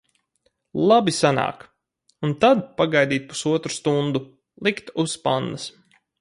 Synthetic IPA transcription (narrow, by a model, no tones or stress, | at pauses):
lˠabisana̰ːk | unt̪ad̪̚paɡajd̪iːt̪̚pu̥suɔt̪ɾu̥st̪und̪u | lˠikt̪uspand̪as